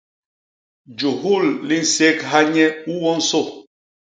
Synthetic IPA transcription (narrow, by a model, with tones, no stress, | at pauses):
d͡ʒo˨ɦu˦˨lli˦n̩˨se˦kɦa˦ɲɛ˦u˦wɔ˦n̩˦so˦˨